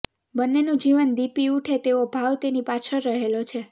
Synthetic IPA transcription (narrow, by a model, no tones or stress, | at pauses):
bənːenũd͡ʒiʋənd̪ipiuʈʰet̪eobʱaʋt̪enipat͡ʃʰəɾːəɦelot͡ʃʰe